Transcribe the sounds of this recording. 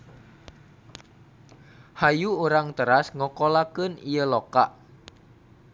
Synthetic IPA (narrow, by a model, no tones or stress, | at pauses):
hajuuɾaŋt̪əɾasŋɔkolakənijəlokaʔ